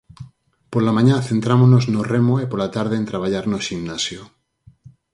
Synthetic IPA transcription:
poɾlamãɲãθent̪ɾamonoznoremoepoɾlat̪aɾðeːnt̪ɾaβ̞aʎaɾnoʃimnasjo

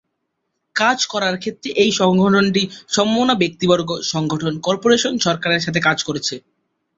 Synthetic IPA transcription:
kad͡ʑkɔɾaɾkʰet̪ːɾeʔejʃɔŋɡʱoʈʰonʈiʃɔmbonabek̚t̪ibɔɾɡoʃɔŋɡʱoʈʰonkɔɾpoɾeʃonʃɔɾkaɾeɾʃat̪ʰekad͡ʑkoɾet͡ɕʰe

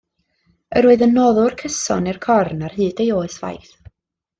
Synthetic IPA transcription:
əɾuɨðənːɔðʊrkʰəsɔ̰nɪrkʰɔrnarhɨːdejoːɨsv̥a̰jθ

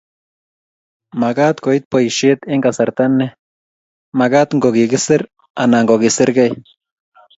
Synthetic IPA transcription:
maɡat̪koit̪̚poiʃit̪iŋɡasaɾt̪anːe | maɡat̪ŋɡoɡiɡisiɾ | a̰naŋɡoɣisiɾɡej

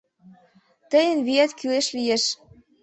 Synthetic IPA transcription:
t̪əjə̆nβiæt̪kyleʃlijeʃ

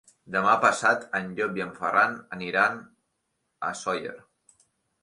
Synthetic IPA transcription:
d̪əmapəsat̪ənʎobjəɱfə̰ranəniɾan | ə̰sɔjə̰ɾ

